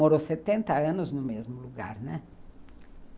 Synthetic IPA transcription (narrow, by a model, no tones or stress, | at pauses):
oɾoset̪ẽnt̪ɐɐ̃nʊznʊmezmʊluɡa̰ɾnɛ